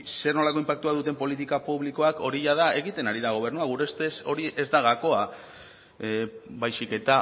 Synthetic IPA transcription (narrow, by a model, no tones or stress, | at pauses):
se̞ɾno̞lako̞impak̚t̪uaðut̪e̞mpo̞lit̪̬ikapuβliko̞ako̞ɾiʎaðae̞ɣit̪e̞naɾiðaɣ̞o̞β̞e̞rnuaɣ̞uɾe̞st̪e̞so̞ɾiʔe̞zd̪aɣako̞a | bajsike̞t̪a